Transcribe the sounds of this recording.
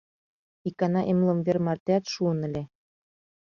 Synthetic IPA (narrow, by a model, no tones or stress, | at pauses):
ikɑnɑʔemlɤ̆mvermɑrt̪eɑt̪ʃuɤ̆nɘ̆lʲe